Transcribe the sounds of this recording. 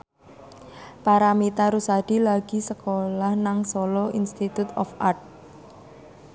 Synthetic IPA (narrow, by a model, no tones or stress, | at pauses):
paɾamit̪aɾusad̪̥ilaɡ̥i̤səkolahnaŋsolɔinst̪it̪ut̪ɔ̰fart̪̚